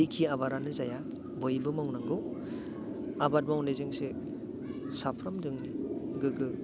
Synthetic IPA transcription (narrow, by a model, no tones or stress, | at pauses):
ikʰiaβaɾanɯzaja | bojbɯmawnaŋɡɯw | abat̚mawnezɯŋse | sapʰɾamdɯŋniɡɯɡɯ